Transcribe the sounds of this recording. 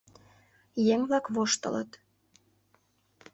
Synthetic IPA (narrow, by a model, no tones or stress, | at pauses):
jeŋβlɑkβoʃt̪ə̰lə̰t̪